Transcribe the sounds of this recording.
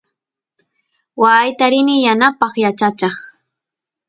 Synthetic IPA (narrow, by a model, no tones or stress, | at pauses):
wajt̪aɾɪnɪjanapɑχjat͡ʃat͡ʃɑχ